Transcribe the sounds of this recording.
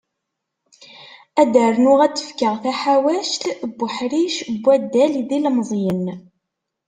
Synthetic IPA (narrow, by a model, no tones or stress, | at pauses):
æd̪əɾnʊʁæt͡sːə̥fkəʁθæħawæʃt̪bːəħɾiʃbʷːæd̪ːælðilmzˤjən